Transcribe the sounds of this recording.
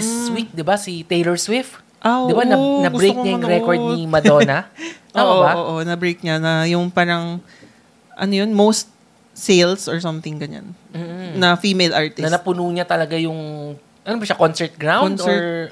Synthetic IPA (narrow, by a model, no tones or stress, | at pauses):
ɪswik̚d̪ɪbasɪt̪ejlɛɹswɪf | ʔad̪ɪbanɐɐɡʊbɾejojkoɲajʊŋɾɛkoɹ̚nɪmɐd̪onɐ | ʔoaʔoaoːʔonɐbɾejk̚ɲanɐjʊŋpaːɾɐŋ | ʔɐ̰nojonmowst̪̚ | sejlsɔɹsɐmθɪŋɡɐɲa̰nm̩ːnɐfimejlʔaɹt̪ɪnɐnɐpʊnuːɲat̪ɐlɐɡajʊŋ | ʔɐnobɐʃakonsɛɹt̪̚ɡɹawkodnsɛɹɹ